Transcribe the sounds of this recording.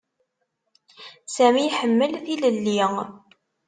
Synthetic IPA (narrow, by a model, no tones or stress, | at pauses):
sæmiħəmːəlθiləlːiŋ